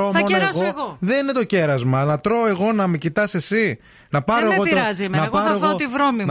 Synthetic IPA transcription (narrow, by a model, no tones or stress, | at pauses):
omonoeɣoɣoðenine̞t̪o̞ce̞ɾɐzmɐnɐt̪ɾo̞e̞ɣo̞nɐmecit̪ɐse̞si | nɐpɐɾoeɣot̪ɐzimnɐɣɐɾoeɣot̪ivɾomi